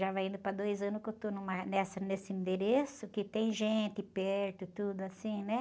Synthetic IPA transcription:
ʒavajĩnd̪ʊpɾɐd̪ojzɐ̃nʊskewt̪onũmɐnɛsɐnesɪĩnd̪eɾesʊkɪt̪ẽj̃ʒẽnt̪ɪpɛɾt̪ʊt̪ud̪ʊasĩnɛ

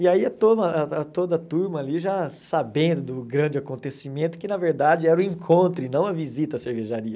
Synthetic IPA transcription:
iaiɐt̪omɐaat̪od̪ɐt̪uɾmɐːliʒasabẽnd̪ʊd̪ʊɡɾɐ̃d͡ʒɪakõnt̪esimẽnt̪ʊ̥kɪnɐveɾd̪ad͡ʒɪɛɾʊĩŋkʰõnt̪ɾʊɪnɐ̃w̃ɐvizit̪ɐːseɾveʒaɾiɐ

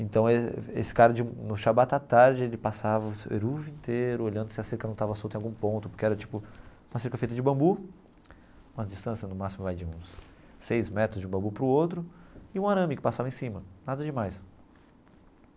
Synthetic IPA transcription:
ẽt̪ɐ̃w̃eḛsɪ̥kaɾɐd͡ʒɪũnʊʃabat̪at̪aɾd͡ʒɪelɪpasavɐsḛɾuvĩnt̪eɾʊoʎɐ̃nd̪ʊsɪaseɾkɐnɐ̃w̃t̪avɐsowt̪ẽawɡũpõnt̪ʊ̥poɾkeɛɾɐt͡ʃi̥pʊũmɐseɾkɐfejt̪ɐd͡ʒɪbɐ̃mbu | ũmɐd͡ʒist̪ɐ̃sjɐnʊmasimʊvajd͡ʒɪũsː | ejzmɛt̪ɾʊzd͡ʒiũbɐ̃bupɾʊowt̪ɾʊɪũaɾɐ̃mɪkɪ̥pasavɐẽsĩmɐnad̪ɐd͡ʒɪmajs

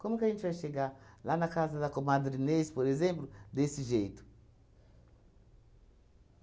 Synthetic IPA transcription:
komukaint͡ʃaʃeɡalanakazadakomad̪ɾinesi̥pɔɾezempludesiʒejtu̥

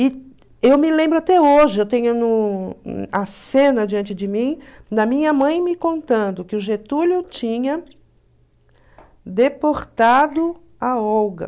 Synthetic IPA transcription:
ɪ | ewmɪlẽmbɾʊat̪ɛoʒɪewt̪ẽɲʊnʊ | ɐsẽnɐd͡ʒiɐ̃nt͡ʃɪd͡ʒɪmĩd̪ɐmĩɲɐmɐ̃j̃mɪkõnt̪ɐ̃nd̪ʊkɪʊʒet̪ulʊt͡ʃĩɲɐ | d̪epoɾt̪ad̪ʊ | aɔwɡɐ̰

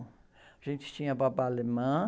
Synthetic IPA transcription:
aʒẽnt͡ʃɪ̥t͡ʃĩɲɐpapaːlemɐ̃

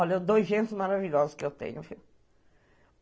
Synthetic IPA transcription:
ɔlɐed̪ojzʒẽnt̪ɪzmaɾaviʎɔzɐskɪewt̪ḛ̃ɲʊviw

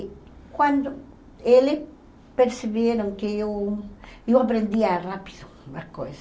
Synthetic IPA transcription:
kwãnd̪o | elɪh | peɾseβjeɾõŋkeew | ewapɾẽnd̪iarapi̥ðo | mahkojsa

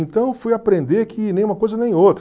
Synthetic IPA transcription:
ẽnt̪ɐ̃w̃fujapɾẽnd̪eɾkʰɪnẽj̃umɐkojzɐnẽj̃ot̪ɾ

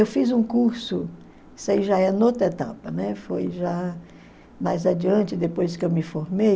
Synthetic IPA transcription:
ewfizũkuɾsʊ | isaiʒaɛɐnɔt̪et̪a̰pɐnɛfojʒa | majzad͡ʒiɐ̃nt͡ʃɪd̪epojskɪewmɪfoɾmej

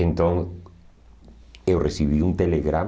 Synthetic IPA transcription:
ent̪õŋ | ewresiβ̞iunt̪eleɣɾa

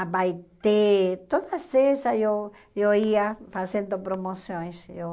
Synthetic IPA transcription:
abajt̪et̪od̪asesajo | joiafazẽnd̪opɾomosjõj̃so

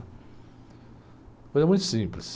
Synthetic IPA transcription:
polɛmũj̃t̪ʊ̥sĩplis

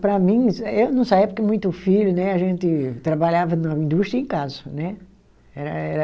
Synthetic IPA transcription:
pɾɐmĩewnɐ̃w̃saiɐpoɾkemũj̃t̪ʊfiʎʊnɛaʒẽnt̪ɪt̪ɾabaʎavɐnɔĩnd̪ust̪ɾiɐẽkazɐnɛ | ɛɾɐɛɾɐ

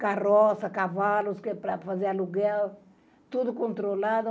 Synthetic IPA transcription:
karɔsɐkavalʊskepɾɐfɐzeɐluɡɛl | t̪uðukõnt̪ɾolaðʊ

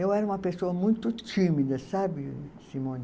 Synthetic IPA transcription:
ewɛɾɐũmɐpesoɐmũj̃t̪ʊt͡ʃimid̪ɐsabɪsimõn

